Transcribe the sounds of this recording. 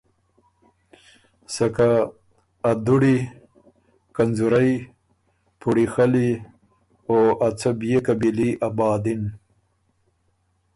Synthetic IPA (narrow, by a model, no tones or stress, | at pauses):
sakaː | d̪uɽi | kanzuɾaj | pʰuɽixali | oat͡sabjekabiliʔabɑːd̪ɪn